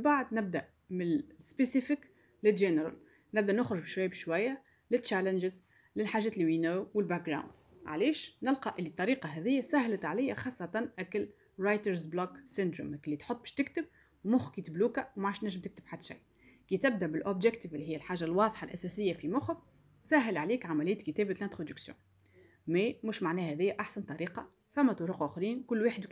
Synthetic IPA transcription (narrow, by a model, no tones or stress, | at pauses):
baʕd̪nɪb̚d̪aʔ | mɪnspesifɪk | lɪlʒɪnəɾa̰l | nɪbd̪æʔnʊxɾʊʒbʃwajːbʃwæjːa | lɪtːt͡ʃːælɪnʒɪz | lɪlħaːʒɛːt̪liwinæwwɪlbæk̚ɡɾˤa̰wnd̪ʕa̰lɛːʃnɪlqɑʔɪlːit̪ˤːɑɾiːqɑɦɛðɪjːasæhlət̪ʕalɪjːaxɑːsˤːɑt̪ɑnʔækɪl | ɾˤajt̪əɾzblɑksɪnd̪ɾʊ̰mkɪlːit̪ħot̪ˤːbɪ̥ʃt̪ɪkt̪əb̚ | wmʊxkiːt̪bluːkæwmaʕaʃnæʒːəmt̪ɪk̚t̪əb̥ħad̪ːʃa̰j | kit̪ɪb̚d̪æʔbɪlʔobʒɛkt̪əvɪlːiɦɪjːælħaːʒalwɑːðˤħɑlʔæ̰sɛsɪjːafimʊx | sæɦɪlʕaliːkʕamælɪjːæt̪kət̪æːbt̪lænt̪ɾod̪əksjõ̰ | mɛmuːʃmaʕnɛːhɛðɪjːæʔaħsant̪ˤːɑɾiːqɑ | fæmːæt̪ˤʊɾuqʔʊxɾiːnkʊlːwaːħəd̪w